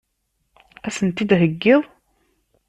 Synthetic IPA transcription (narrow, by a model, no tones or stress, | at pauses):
æsənt̪id̪ɦəɡːɪðˤ